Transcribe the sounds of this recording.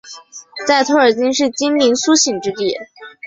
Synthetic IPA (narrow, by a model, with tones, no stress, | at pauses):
t͡sa˥˩ɪt̪ʰwɔ˥˩ə˞˨˩t͡ɕi˥nʂɻ̩˥˩t͡ɕi˥nli˧˥nsu˥ɕi˨˩ŋʈ͡ʂɻ̩˥t̪i˥˩